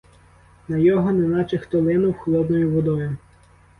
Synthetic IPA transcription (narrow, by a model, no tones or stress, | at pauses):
nɐjɔɦɔnenɑt͡ʃɪxt̪ɔlˠɪnʊwxlˠɔd̪nɔjʊʋɔd̪ɔjʊ